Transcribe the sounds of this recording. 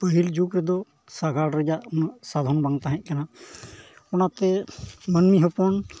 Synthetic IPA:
pəɦild͡ʒukɾɛd̪ɔ | saɡʱaɽɾəd͡ʒaʔnaʔsad̪ʱɔnbaŋt̪aɦɛ̃ʔ̚kana | ɔnat̪ɛmənmiɦɔpɔn

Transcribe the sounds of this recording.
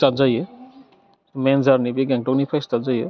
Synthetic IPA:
tazajɯ | mɛnzaɾnibiɡɛŋʈɔknipʰajstazajɯ

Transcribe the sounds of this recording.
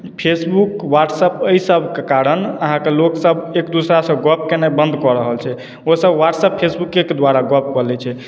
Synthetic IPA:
pʰesbukwaʈsəpəisəbʱkekaɾənəɦãkeloksəbekd̪usɾasə̃ɡɔp̚kenebə̃nd̪ʱkɔɾəɦəlt͡ʃʰɛ | osəbʋaʈsəpʰːesbukːeked̪waɾaɡɔp̚kɔɾlɛt͡ʃʰɛ

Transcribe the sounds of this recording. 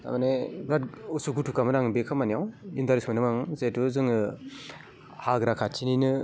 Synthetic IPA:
a̰manebɾatusuɡutʰukamɯɾaŋɯbekʰamanijawindaɾismanɯmaŋzetuzɯŋɯ | haɡɾakʰat͡ʃʰininɯ

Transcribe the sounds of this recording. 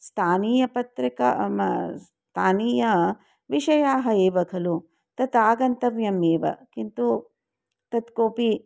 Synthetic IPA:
st̪ʰaːniːjɐpɐt̪ɾikɐ̰ms | t̪ʰaːniːjɐ | ʋiʂɐjaːɦɐeːʋɐkʰɐlu | t̪ɐt̪aːɡɐnt̪ɐʋjɐmeːʋɐ̰kint̪u | t̪ɐt̪koːpi

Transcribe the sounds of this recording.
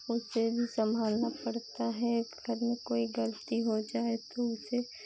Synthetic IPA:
ʊsebʱisə̃mbʱaːlnapɐɽt̪aɦɛɡʱɐɾmẽkoːiɡələt̪iɦod͡ʒaːet̪oʊse

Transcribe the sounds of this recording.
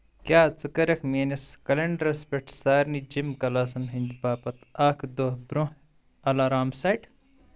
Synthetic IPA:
kjaːt͡sɨkɐɾɐkʰmeːnɐskɐlɐɳɖɐɾɐspʲeʈʰsaːɾnid͡ʒimkɐlaːs̬ɐnɦɐnʲd̪baːpɐt̪aːkʰd̪ohbɾõ | ɐlaːɾaːmsɐjʈ

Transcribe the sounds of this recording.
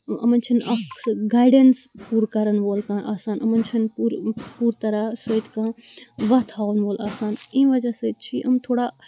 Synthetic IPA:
ɐ̰mɐnt͡ʃʰinɐɡaːjɖenspuːɾkɐɾɐnʋoːlkãːʔaːsaːnɐmɐnt͡ʃʰɐnpuɾpuːɾt̪ɐɾasət̪kãːʋɐt̪ʰaːʋənʋoːlʔaːsaːnĩːʋɐd͡ʒaset͡ʃʰiʔɐmt̪ʰoːɽa

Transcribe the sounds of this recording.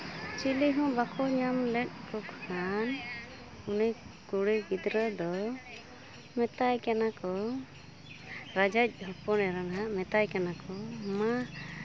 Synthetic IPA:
t͡ʃiliɦũbakʰɔɲamlɛt̪̚kɔkʰkan | unijkuɽibid̪ɾəd̪ɔ | mɛt̪ajkanakɔ | ɾad͡ʒac̚ˀɦɔpɔnɛɾanɦaʔmɛt̪ajkanakɔma

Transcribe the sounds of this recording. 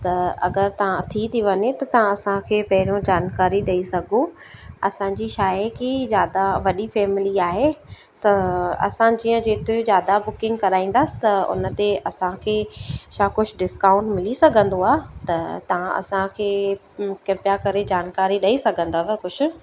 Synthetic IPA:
t̪ɐɐ̰ɡəɾt̪ɐʋ̤ãt̪ʰit̪ʰiʋɐɲet̪ɐt̪ɐʋ̤ãɐsãkʰeːpɐɦɪɾjõd͡ʑaːnkaːɾiɗɐisɐɡʱõ | ɐsãɲd͡ʑiʃaːjekizjaːd̪aʋɐɗifɛːmɪliaːɦe | t̪ɐɐ̰sãd͡ʑiːə̃d͡ʑeːt̪izjaːd̪abʊkɪ̃ŋɡ̚kɐɾaːĩːn̆d̪əsɪ̥t̪ɐʊ̰nə̆t̪eʔɐsãkʰeːʃaːkʊt͡ʃʰʊɖɪskaːʊ̃ɳʈmɪlisɐɡʱə̃nd̪oaːt̪ɐt̪ɐʋ̤ãʔɐ̰sãkʰeː | kɪɾpjakɐɾed͡ʑaːnkaːɾiɗɐisɐɡʱə̃nd̪aʋɛkʊʃʰʊ̆

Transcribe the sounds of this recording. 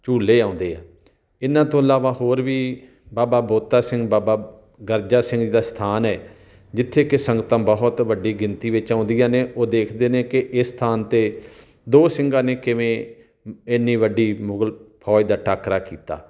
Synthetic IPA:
t͡ʃuːlːeːãːʊ̃nd̪eːɛ̰ː | ɪnãːt̪õːəlaːʋaːhoːɾʋiː | baːbaːboːt̪aːsɪ̃ŋɡbaːbaː | ɡəɾd͡ʒaːsɪ̃ŋɡd͡ʒiːd̪aːst̪ʰaːnɛː | d͡ʒɪt̪ʰːeːkɪsəŋɡt̪ãːbəɦʊt̪ʋəɖiːɡɪnt̪iːʋɪt͡ʃãːʊ̃nd̪ijãːneːʔoːd̪eːkʰd̪eːneːkɪʔɪst̪ʰaːnt̪eː | d̪oːsɪ̃ŋɡãːneːkɪʋẽː | ɪnːiːʋəɖiːmʊɡəlpʰɔːid̪aːʈaːkɾaːkiːt̪a̰ː

